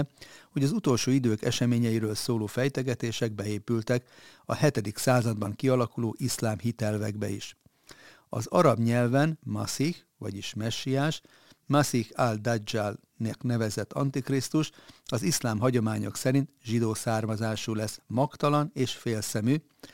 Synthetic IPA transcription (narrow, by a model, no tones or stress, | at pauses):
ho̞ɟɒzut̪o̞lʃoːid̪øːkɛʃɛmeːɲɛjiɾøːlsoːloːfɛjt̪ɛɡɛt̪eːʃɛɡ̚bɛeːpylt̪ɛkɒ̰hɛt̪ɛd̪iksaːzɒd̪bɒŋkiɒlɒkuloːʔislaːmɦit̪ɛlvɛɡbɛ̰ḭʃ | ɒ̰zɒɾɒbɲɛlvɛnmɒsix | ʋɒ̰ɟiʃmɛʃːijaːʃ | masixald̪ad͡ʒal | nɛknɛvɛzɛt̪ʰːɒ̰nt̪ikrist̪uʃɒzislaːmɦɒɟo̞maːɲo̞̰ksɛɾint̪ʒid̪oːsaːrmɒzaːʃuːlɛsmɒkt̪ɒlɒneːʃfeːlsɛmy